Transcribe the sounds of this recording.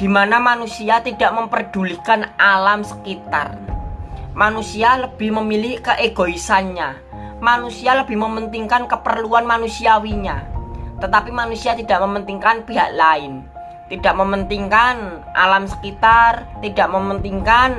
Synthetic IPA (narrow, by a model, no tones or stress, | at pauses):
d̥imanamanusiat̪idaʔməmpərd̥ulikanʔalamsə̥kit̪a̰r | manusialəb̥ɪhməmilɪhkəʔeɡ̥oisanɲa | manusialəb̥ɪhməmənt̪iŋkankəpərluanmanusiawiɲat̪ət̪apimanusiat̪idaʔməmənt̪iŋkanpiɦaʔlaɪn | t̪idaʔməmənt̪iŋkanʔa̰lamsə̥kit̪art̪idaʔməmənt̪iŋkan